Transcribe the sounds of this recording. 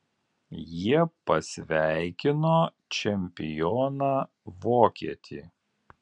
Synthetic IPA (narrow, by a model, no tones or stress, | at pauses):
jiɛpɐsʲʋʲæɪkʲɪnoː | t͡ʃʲɛmʲpʲɪjɔːnaː | ʋoːkʲiɛt̪ʲʰḭː